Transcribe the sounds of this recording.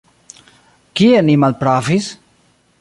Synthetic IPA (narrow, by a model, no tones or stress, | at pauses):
kienimalpɾaːfis